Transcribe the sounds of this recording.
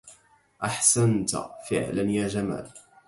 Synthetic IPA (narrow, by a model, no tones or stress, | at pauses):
ʔaħsant̪fɪ̰ʕlanjaːd͡ʒama̰ːl